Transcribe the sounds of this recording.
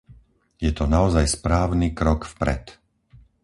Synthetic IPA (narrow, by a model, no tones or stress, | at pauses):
jɛt̪ɔnaɔzajspɾaːʊnikɾɔkfpɾɛ̰t̪